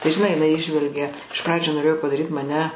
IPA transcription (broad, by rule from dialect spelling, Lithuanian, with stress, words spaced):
tɐɪ ʒʲɪˈnɐɪ jɪˈnɐɪ ˈiːʒʲʋʲɛlʲɡʲɛ ɪʃ ˈprɑːd͡ʒʲuː noːˈrʲeːjoː pɐdɐˈrʲiːt mɐˈnʲɛ